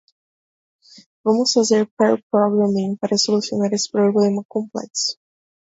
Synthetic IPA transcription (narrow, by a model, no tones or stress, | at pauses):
vɐ̃mʊsfazeɾpɛɾpɾɔɡɾamĩŋpaɾɐsolusionaɾesɪ̥pɾoblẽmɐkõmplɛ̰ksʊ̥